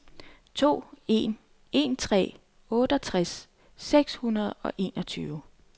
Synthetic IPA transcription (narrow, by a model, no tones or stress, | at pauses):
t͡sʰo̝̰ːe̝ːn | e̝̰nt͡sʰʁɛ̰ː | ɔ̽ːɾ̥əɒ̽t͡sʰʁas | seɡ̥shunɐð̞̩ˠɒ̽ʔe̝̰ːnɒ̽t͡sʰyːʊ